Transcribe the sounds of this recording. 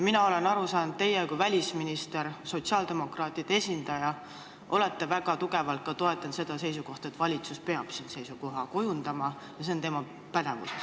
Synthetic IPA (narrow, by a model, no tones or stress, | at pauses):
minɑo̞le̞nɑɾusɑːnud̪̥̚t̪e̞jekuvælʲisminist̪e̞ɾso̞t̪siɑːld̪̥e̞mo̞krɑːt̪ːˑid̪̥ee̞sʲind̪̥ɑjɑ | ʔole̞t̪ːe̞væɡ̥ɑt̪uɡe̞vɑlt̪̚kɑt̪o̞e̞t̪ːˑɑnse̞d̪̥ɑse̞jsuko̞ht̪ɑet̪ːˑvɑlʲit̪suspe̞ɑb̥sinse̞jsuko̞ɦɑko̞jund̪̥ɑmɑ | jɑs̬e̞o̞nt̪emɑ | pæd̪̥evṵ